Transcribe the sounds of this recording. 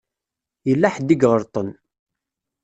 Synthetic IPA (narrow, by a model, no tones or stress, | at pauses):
jəlːæħd̪ːiɡʁəɾt̪ˤən